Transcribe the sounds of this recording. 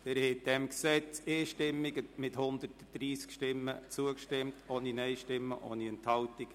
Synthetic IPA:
d̥ɛɾhɛt̚d̥ɛmksɛt͡seːʃtɪmːɪɡəmɪthʊnd̪ərtəd̪̥ɾiːskʃtɪmːət͡suəkʃtɪmtʰoːninɛɪʃtɪmːəʔo̰ːniɛnt̪hɑltik

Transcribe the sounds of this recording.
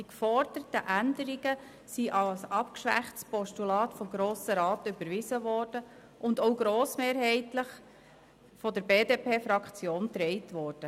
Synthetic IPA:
d̥ikfɔɾdəɾtəʔændəɾiɡə | siʔɑlsɑpkʃʋæ̰χtspɔʃtulɑːtfɔmɡɾoːsəɾɑːt̪ʏbəɾʋɪzəʋɔːɾd̥ə | ʔʊndoʊɡɾoːsmeːɾɦɛɪtləχ | fɔdəɾbeːdeːpʰeːfɾɑkt͡sjoːnt̪ɾɛɪtʋɔːɾd̥ə

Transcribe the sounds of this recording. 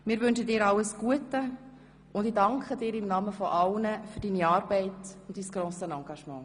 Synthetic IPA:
mɪːɾʋʏnʃədɪːɾɑləsɡ̥uətə | ʊndɪdɑŋkχədɪːɾɪmnɑməfɔʔɑlnəfyɾdiːniɑːɾb̥ɛɪtʊntdiːsɡ̥ɾoːsənɑŋɡɑʃmɑ̃ː

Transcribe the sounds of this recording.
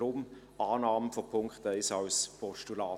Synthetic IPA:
ɾʊm | ʔɑːnɑːməfɔpʰʊŋkχtɛɪsɑwspʰɔʃtulaː

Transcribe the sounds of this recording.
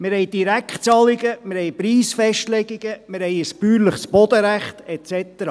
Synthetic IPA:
mɪɾɦɛjd̥iɾækχt͡sɑliɡəmɪɾhɛjpɾiːsfɛʃtlɛɡiɡ̥əmɪɾhɛjəspyːɾləχsb̥ɔd̪əɾæχt̪ɛt͡sɛt̪əɾɑː

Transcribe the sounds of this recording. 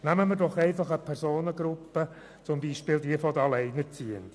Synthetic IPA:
næməməɾdɔχɛɪfɑχəpʰɛɾsoːnəɡɾʊpːə | t͡sʊmbiːʃpɪld̪iəfɔd̪əɑlɛɪnəɾt͡siənt

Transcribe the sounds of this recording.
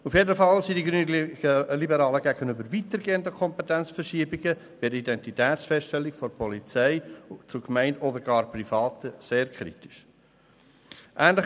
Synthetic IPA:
ufjedəfɑlsidiɡɾynlibəɾɑːləɡæɡənybəɾvitəɾɡeːəndəkʰɔmpet̪ɛnt͡sfəɾʃiːbiɡəb̥iəidɛntitɛːtt͡sfɛstʃtɛlːikfɔɾpʰɔlit͡sɛɪt͡sukmɛɪndɔdəɾɡɑːɾprifɑːt̪əseːɾkʰɾḭtɪ̥ʃ | ʔæːnlɪ

